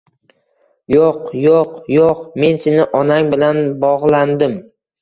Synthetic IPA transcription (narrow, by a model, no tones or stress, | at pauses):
joqjoqjoqme̞nsenɪʔɒnaŋbɪlanbɒʁlˠand̪ɪm